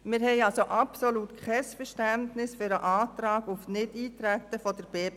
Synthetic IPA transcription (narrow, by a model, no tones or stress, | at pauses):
mɪɾhɛɪɑlsoʔɑpsoluːtkʰɛsfəɾʃtæntnɪsfʏɾəʔaːtɾɑːɡʊfnɪdiːtɾɛtːəfɔd̥əɾb̥eː